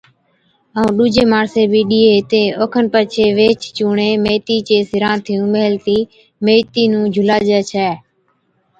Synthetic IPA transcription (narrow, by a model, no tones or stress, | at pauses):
əũːɗuːd͡ʒeːmaːɳseːbiːɗiːɦeːt̪ẽːoːkʰənpət͡ʃʰeːʋeːt͡ʃt͡ʃuːɳeːmeːt̪iːt͡ʃeːsɪɾãːt̪ʰɪjũːmeːlt̪iː | meːt̪iːnũːd͡ʒʱʊlaːd͡ʒɛːt͡ʃʰɛː